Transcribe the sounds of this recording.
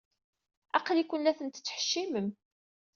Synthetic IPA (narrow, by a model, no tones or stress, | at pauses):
æqlikʷənlæθənt̪t͡sːəħə̥ʃːiməm